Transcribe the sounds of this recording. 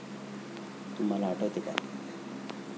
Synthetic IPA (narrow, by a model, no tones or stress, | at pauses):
t̪umalaːʈʰət̪eka̰